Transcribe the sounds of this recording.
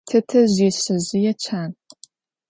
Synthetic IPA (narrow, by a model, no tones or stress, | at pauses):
tʰɐtʰɐʑiːɕɨʑɪjɛt͡ʃʰaːn